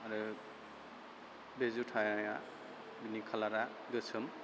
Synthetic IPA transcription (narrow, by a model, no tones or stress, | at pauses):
aɾɯ | bezutʰajaja | binikʰalaɾa | ɡɯsʰɯm